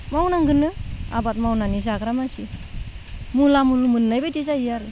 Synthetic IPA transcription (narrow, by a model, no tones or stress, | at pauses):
mawnaŋɡɯnːɯa̰bat̚mawnanis̬aɡɾamasi | mulamulumɯnnajbajtizaijaɾɯ